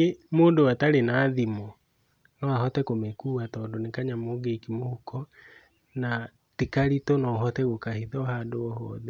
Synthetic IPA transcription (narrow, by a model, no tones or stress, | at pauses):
emoːndowataɾenaːðimɔ | nɔahɔtɛkomekuːatɔːndonekaɲamoɡekimohukɔ | na | tikaɾitɔnɔɦɔtɛɣokahiðɔɦadoɔhɔðɛ